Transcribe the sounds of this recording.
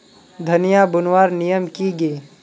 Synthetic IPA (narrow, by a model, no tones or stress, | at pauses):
d̪ʱɐnijabʊnwaːɾnijəmkiɡəi